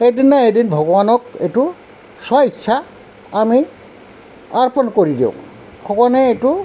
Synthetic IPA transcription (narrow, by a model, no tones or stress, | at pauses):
xejdinːaedinbʱɔɡɔbanɔketu | sajsʰa | ami | aɹpɔnkoɹidḭʊ̰̃ | bʱʰɔɡɔanɛetu